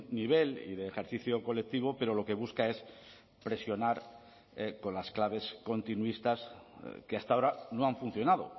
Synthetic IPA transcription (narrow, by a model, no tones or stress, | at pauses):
niβ̞e̞lḭðe̞ːxe̞ɾθiθjo̞ko̞lek̚t̪iβ̞o̞pe̞ɾo̞lo̞ke̞β̞uskae̞s | pɾesjo̞naɾ | ko̞nlasklaβ̞e̞sko̞nt̪inuist̪askeast̪ao̞ɾano̞aɱfunθjo̞naðo̞̰